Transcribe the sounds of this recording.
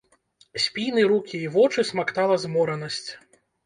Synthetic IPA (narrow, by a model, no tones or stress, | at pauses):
sʲpʲijnɨɾukʲiːvɔt͡ʂɨsmakt̪alˠɐzmɔɾɐnɐsʲt͡sʲ